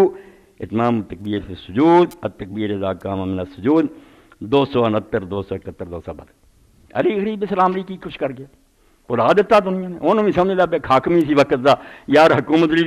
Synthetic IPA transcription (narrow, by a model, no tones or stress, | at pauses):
ɪt̪maːmt̪ək̚biːɾsesʊd͡ʒuːd̪ət̪ːək̚biːɾed̪aːkaːmamɪnaːsʊd͡ʒuːd̪ | d̪oːsoːnət̪ːəɾd̪oːsoːkət̪ːəɾd̪oːsaːbɐd̪ | ə̰ɾiːɣəɾiːbeːslaːmliːkikʊt͡ʃʰkəɾɡɪjaː | pʊlaːd̪ɪt̪ːaːd̪ʊnɪjãːnẽonmĩsəmelaːbeːkʰaːkmiːsiːʋəkət̪d̪aːjaːɾɦɐkuːmət̪̬liː